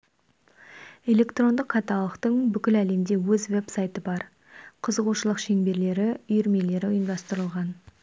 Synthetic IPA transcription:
e̞le̞kt̪ro̞nd̪əqʰːɑt̪ɑlˠəqt̪əɴbʏkʲɪlæle̞md̪e̞wɵzve̞psajt̪əbɑɾ | qʰəzəʁuʃəlˠəqʃe̞ŋbe̞ɾle̞ɾɪʏjʏɾme̞le̞ɾɪʊjəmd̪ɑst̪əɾəlˠʁɑn

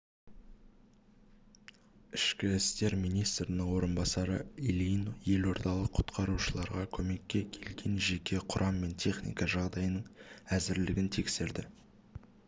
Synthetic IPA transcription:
ɪʃkʲɪɪst̪e̞ɾmijnijst̪ɾɪnəŋwo̞ɾənbɑsɑɾəilʲijnoje̞lo̞ɾd̪ɑlˠəqʰʊ̥t̪qʰɑɾuʃəlˠɑɾʁɑkʲʰɵme̞kʲːe̞kʲʰe̞lɡʲe̞nʒe̞kʲʰe̞qʰʊɾʔɑmːe̞nt̪ʰe̞χnḭjkɑʒɑʁd̪ɑjnəɴæzɪɾlɪɡʲɪnt̪ʰe̞kse̞ɾd̪ɪ

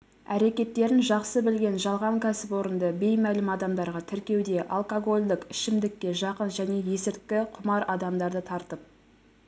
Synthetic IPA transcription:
æ̰ɾe̞kʲe̞t̪ːe̞ɾɪnʒɑqsəbɪlɡʲe̞nʒɑlˠʁɑŋkʲʰæsɪpwo̞ɾənd̪əbe̞jmælɪmɑd̪ɑmd̪ɑɾʁɑt̪ʰɪɾkʲe̞wd̪e̞ʔɑ̰lˠkoɡo̞lʲd̪əkɪʃɪmd̪ɪkʲːe̞ʒɑqənʒæne̞je̞sɪɾt̪kʲɪqʰʊmɑɾɑd̪ɑmd̪ɑɾd̪ət̪ʰɑɾt̪əp̚

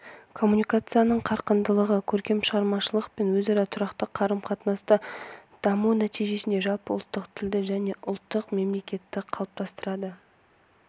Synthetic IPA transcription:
kʰo̞mːunijkat̪sɨjanəɴqʰɑɾqənd̪əlˠəʁəkʲʰɵɾkʲe̞mʃəʁɑɾmɑʃəlˠəqpenwɵzɑɾɑt̪ʰʊɾɑqt̪əqʰːɑɾəmqʰɑt̪nɑst̪əd̪̥ɑmunæt̪ijʒe̞sɪne̞ʒɑlˠpəʊlˠt̪ːəqt̪ʰɪld̪ɪʒæne̞ʔʊlˠt̪ːəqme̞mle̞kʲe̞t̪ːɪqʰɑlˠəp̚t̪ʰɑst̪əɾɑd̪ə

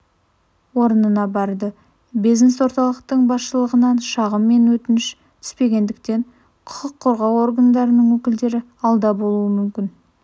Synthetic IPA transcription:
wo̞ɾənənɑbɑɾd̪ə | bijzneswo̞ɾt̪ɑlˠəqt̪əɴbɑsʃəlˠəʁənɑnʃɑʁəmːe̞nwɵt̪ɪnɪʃ | t̪ʰʏ̥spe̞ɡʲe̞nd̪ɪk̚t̪e̞ɴ | qʰʊ̥qəqʰːoɾʁɑwo̞rɡand̪ɑɾənəɴwɵkʲɪld̪e̞ɾɪ | ɑlˠd̪ɑbo̞lˠuəmʏmkʲɪn

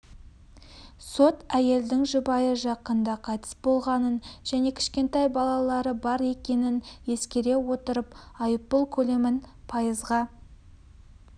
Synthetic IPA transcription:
so̞t̪æje̞ld̪ɪŋʒʊbɑjəʒɑqənd̪ɑqʰɑjt̪ʰə̥sbo̞lˠʁɑnənʒ̥æne̞kʲʰɪ̥ʃkʲe̞nt̪ɑjbɑlˠɑlˠɑɾəbɑɾe̞kʲe̞nɪnje̞skʲe̞ɾe̞wo̞t̪əɾəpɑjəpːəlˠkʲʰɵle̞mɪnpʰɑjəzʁɑ

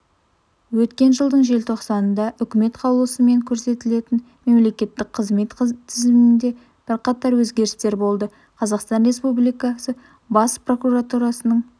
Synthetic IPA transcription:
wɵt̪kʲe̞nʒəlˠd̪əɴʒe̞lt̪ʰo̞qsɑnənd̪ɑʔʏkʲɪme̞t̪qʰɑwlˠuəsəme̞ŋkʲʰɵɾse̞t̪ɪle̞t̪ɪn | me̞mle̞kʲe̞t̪ːɪkqʰəzme̞t̪t̪ʰɪzɪmɪnd̪e̞ | b̥ɪɾqʰɑt̪ɑɾwɵzɡʲe̞ɾɪst̪e̞ɾbo̞lˠd̪ə | qʰɑzɑqst̪ɑnre̞spublijkɑsə | bɑspro̞kuɾat̪uɾɑsənəɴ

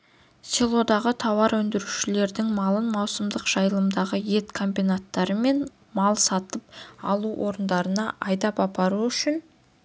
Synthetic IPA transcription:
sʲelˠo̞d̪ɑʁət̪ʰɑwɑɾwɵnd̪ɪɾuʃɪle̞ɾd̪ɪŋmɑlˠənmɑwsəmd̪əqʒ̥ɑjəlˠəmd̪ɑʁəje̞t̪kʰombinat̪ːɑɾəme̞n | mɑlˠsɑt̪əpɑlˠuwʔo̞ɾənd̪ɑɾənɑʔɑjd̪ɑpɑpɑɾuʏʃɪn

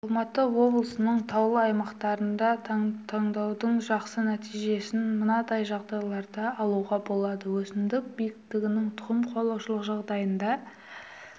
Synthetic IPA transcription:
ɑlˠmɑt̪əwo̞blˠəsənəɴt̪ʰɑwlˠəɑjmɑqt̪ɑɾənd̪ɑt̪ʰɑɴd̪ɑwd̪əɴʒɑqsənæt̪ijʒe̞sɪnmənɑd̪ɑjʒɑʁd̪ɑjlˠɑɾd̪ɑːlˠuʁɑbo̞lˠɑd̪əwɵsɪnd̪ɪk̚bijɪk̚t̪ɪɡʲɪnɪŋt̪ʰʊʁəmqʰolˠɑwʃəlˠəqʒɑʁd̪ɑjənd̪ɑ

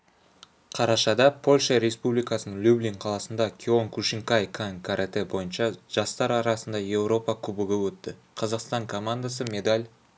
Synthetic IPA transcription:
qʰɑɾɑʃɑd̪ɑpʰo̞lʲʃɑɾe̞spublijkɑsənəɴlʲublʲiŋqʰɑlˠɑsənd̪ɑkʲʰioŋkʰuʃɪŋkajkʰaŋkʰaɾet̪ebo̞jənʃɑʒ̥ɑst̪ɑɾɑɾɑsənd̪ɑje̞wɾo̞pɑkʲʰɵbɪɡʲɪwɵt̪ːɪ | qʰɑzɑqst̪ɑŋkʰo̞mand̪asəmʲe̞d̪alʲ

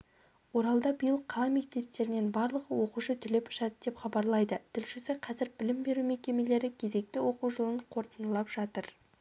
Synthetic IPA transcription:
wo̞ɾɑlˠd̪ɑbəjəlˠqʰɑlˠɑme̞k̚t̪e̞p̚t̪e̞ɾɪne̞nbɑɾlˠəʁəwo̞quʃət̪ʰʏle̞pʊ̥ʃɑd̪əd̪e̞pχɑbɑɾlˠɑjd̪ət̪ʰɪlʃɪsɪqʰɑzɪɾbɪlɪmbe̞ɾume̞kʲe̞me̞le̞ɾɪkʲʰe̞ze̞k̚t̪ɪwo̞quwʒəlˠəɴqʰo̞ɾt̪ənəlˠɑpʒ̥ɑt̪əɾ

